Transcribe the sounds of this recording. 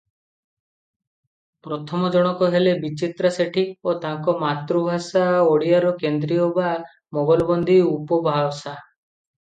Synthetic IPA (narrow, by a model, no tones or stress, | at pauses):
pɾɔt̪ʰɔmɔd͡ʒɔɽ̃ɔkɔɦelebit͡ʃit̪ɾaseʈʰiot̪aŋkɔmat̪ɾubʱasaoɽijaɾɔkend̪ɾiɔba | mɔbalɔbɔnd̪ʱiupɔbʱawsa